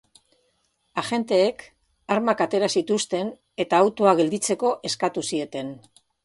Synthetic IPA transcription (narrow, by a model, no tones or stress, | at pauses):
aʝe̞nt̪e̞ːk | aɾmakat̪e̞ɾasit̪ust̪e̞n | e̞t̪aːwt̪uaɣ̞e̞ld̪it͡se̞ko̞ʔe̞skat̪usie̞t̪e̞n